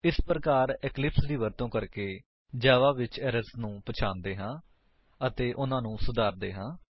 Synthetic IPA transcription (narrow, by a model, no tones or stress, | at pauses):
ɪspɾəkaːɾɪklɪpsd̪iːʋəɾt̪õːkəɾkeː | d͡ʒaːʋaːʋɪt͡ʃɛːɾəsnũːpət͡ʃʰãːnd̪eːɦãː | ət̪eːʔʊnãːnũːsʊd̪aːɾd̪ḛːɦãː